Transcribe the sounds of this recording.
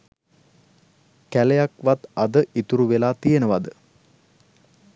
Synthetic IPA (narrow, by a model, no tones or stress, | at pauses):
kælejakʋat̪ɐd̪əʔit̪uɾuʋelaːt̪ijenəʋad̪ə